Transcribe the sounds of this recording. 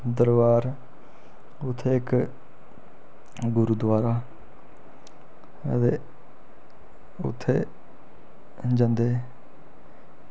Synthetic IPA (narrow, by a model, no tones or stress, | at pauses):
d̪əɾbaːɾ | ʊt̪ʰːeːɪk | ɡʊɾuːd̪ʋaːɾaː | ə̰t̪eː | ʊ̰t̪ʰːḛː | d͡ʒãnd̪eː